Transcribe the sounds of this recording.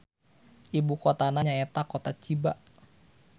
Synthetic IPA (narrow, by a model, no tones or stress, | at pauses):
ʔibukot̪anaɲaet̪akot̪at͡ʃiba